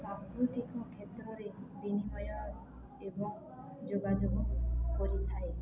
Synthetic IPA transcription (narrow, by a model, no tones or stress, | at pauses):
sãskɾut̪ikɔkʰet̪ɾɔɾeb̪inibɔjɔ | ebɔŋ | d͡ʒoɡad͡ʒoɡɔkɔɾit̪ʰae